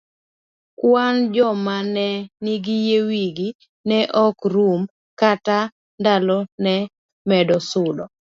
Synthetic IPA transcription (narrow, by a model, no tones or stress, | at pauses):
kwand͡ʒɔmanɛniɡijewiɡi | nɛʔɔkɾum | kata | ndalɔnɛ | mɛdɔsʊdɔ